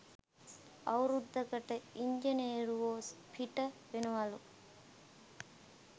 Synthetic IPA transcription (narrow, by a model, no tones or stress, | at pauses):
awɾud̪ːəkəʈəiɲd͡ʒenieɾuʋoːspʰiʈəʋenəʋalu